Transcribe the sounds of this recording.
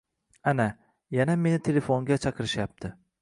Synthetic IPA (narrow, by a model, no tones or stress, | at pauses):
ana | janame̞nɪt̪ʰe̞le̞foŋɡʲat͡ʃʰɑqɨɾɪʃjap̚t̪ʰɪ